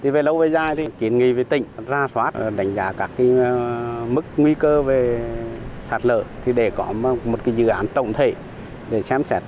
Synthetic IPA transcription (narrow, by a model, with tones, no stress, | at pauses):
t̪ʰi˨˩ve˨˩lə˧wve˨˩zaː˧˩jt̪ʰi˨˩ki˨˦ənŋḭ˧˨ve˨˩t̪ï˧˨ŋ̟zaː˧swaː˦˥t̚ɗa˨˦jŋ̟zaː˨˦kaː˦˥kːi˨˦ | mɨ˦˥k̚ŋwi˧kəː˧ve˨˩ | saː˨˧˩t̚lə̰ː˧˨t̪ʰi˨˩ɗe˧˩kɔ˨˦˧mo˨˩t̚kaː˨˦jzɨ̰˧˨ʔaː˨˦nt̪ə̰˧˨wŋ͡mt̪ʰḛ˧˨ | ɗe˧˩sɛ˧˦msɛ˦˥t̚